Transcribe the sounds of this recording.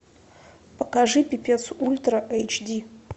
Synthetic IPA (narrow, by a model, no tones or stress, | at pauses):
pɐkaʐɨpʲipʲet̪sʔulʲt̪rɐʔejt͡ʃdʲi